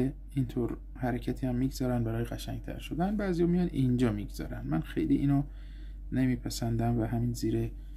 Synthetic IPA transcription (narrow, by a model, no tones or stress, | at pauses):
e | int̪ʰoɾ | hæɾecʰæt̪ʰiːhæmːiːɡzɒːɾænd̪bæɾɒːjeɡæʃæŋɟt̪ʰæ̰ɾʃo̞d̪ænbæːzijɒːmijɒnind͡ʒɒːmiɡz̥ɒ̰ːɾænd̪mænxe̞̰jliːʔiːno | ne̞miːpʰæsænd̪æmvæɦæmiːnziːɾe